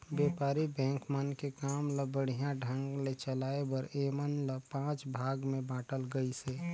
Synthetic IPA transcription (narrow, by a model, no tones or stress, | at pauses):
beːpaːɾibɛ̃ːŋkmənkekaːmləbəɽ̤ijãɖʱə̃ŋɡlet͡ʃəlaːebəɾemənləpãːt͡ʃbʱaːɡmẽbãːʈəlɡəise